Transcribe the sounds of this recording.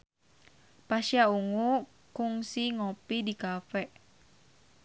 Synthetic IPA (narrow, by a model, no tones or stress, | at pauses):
paʃiauŋu | kuŋsiŋopidikafɛʔ